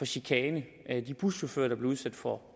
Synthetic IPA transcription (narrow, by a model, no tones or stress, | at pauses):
ɒ̽ɕikʰɛːnə | æd̥ib̥ʁusɕofø̰ɐɾ̥ɑ̈b̥le̝uðˠsæd̥fɒ